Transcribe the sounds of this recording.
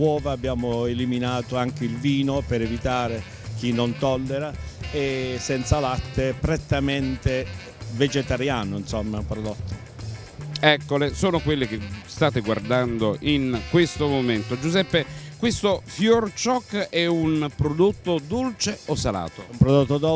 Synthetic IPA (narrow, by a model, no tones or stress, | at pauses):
wɔːvaːbːjaːmoeliminaːt̪oaŋk̟eilviːnopeɾevit̪aːɾe | k̟inːont̪ɔlːeɾaɛsɛnt̪salat̪ːepɾet̪ːament̪e | ved͡ʒet̪aɾjaːnʊinsɔmːapɾod̪ot̪ːo | ɛkːolesoːnokwelːɪkest̪aːt̪eɡward̪and̪oʔinkwest̪omoment̪od͡ʒuzɛpːekwest̪ofjɔrt͡ʃɔkːɛunpɾod̪ot̪ːod̪olt͡ʃeosala̰ːt̪oumpɾod̪ot̪ːod̪o